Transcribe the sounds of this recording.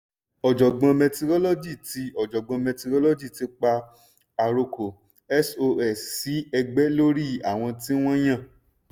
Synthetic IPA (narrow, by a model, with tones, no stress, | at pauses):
ɔ˨d͡ʒɔ˨ɡ͡bã˧mɛ̃˧ti˧ɾɔ˦lo˦d͡ʒi˦˨ti˨˦ɔ˨d͡ʒɔ˨ɡ͡bã˧mɛ̃˧ti˧ɾo˦lo˦d͡ʒi˦˨ti˧˦k͡pa˧ | a˧ɾo˧ko˨ | ɛ˦so˧ɛ˨si˨˦ɛ˧ɡ͡bɛ˦lo˦ɾi˦˨a˨w̃ɔ̃˧tĩ˦w̃ɔ̃˦j̃ã˦˨